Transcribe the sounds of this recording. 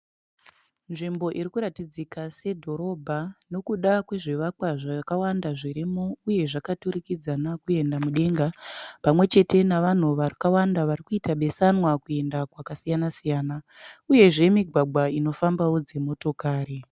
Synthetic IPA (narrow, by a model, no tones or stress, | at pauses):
nʐimbo̞ʔiɾikuɾatid͡zikase̞dʱo̞ɾo̞bʱano̞kuɗakwe̞ʐiʋakwaʐakawandaʐiɾimouje̞ʐakaturikid͡zanakue̞ndamuɗe̞ŋɡapamwe̞t͡ʃe̞te̞naʋan̤uʋarikawandaʋarikuitaɓe̞sanwakue̞ndakwakasijanasijaːna | uje̞ʐe̞miɡʱwaɡ͡bʱwaino̞fambawo̞d͡ze̞mo̞to̞kaːɾi